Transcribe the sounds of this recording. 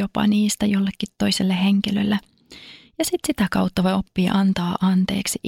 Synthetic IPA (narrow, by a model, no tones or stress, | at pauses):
opɑ̰niːst̪æjolːekːit̪toiselːeheŋkilølːæ | jɑsit̪sit̪ækɑwt̪ːɑʋojo̞pːiːʔɑnt̪ɑːʔɑnt̪e̞̰ːksiʔ